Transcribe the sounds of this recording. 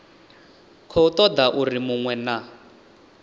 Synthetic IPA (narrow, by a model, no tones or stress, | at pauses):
kʰɔut̪ɔd̪aʔurimuŋwɛna